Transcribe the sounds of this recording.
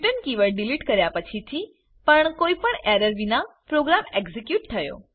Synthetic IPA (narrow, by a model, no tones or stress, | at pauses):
ʈənkiʋəɭɖiliʈkəɾjapət͡ʃʰit̪ʰi | pəɳkoipəɳɛɾəɾʋinapɾoɡɾameɡzikjuʈt̪ʰəjo̰